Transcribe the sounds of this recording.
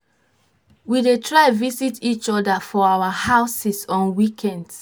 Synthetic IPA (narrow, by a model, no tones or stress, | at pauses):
widetʰɹaɪvisitʰit͡ʃɔdafɔawahaʊsisɔ̃nwikʰɛ̃nd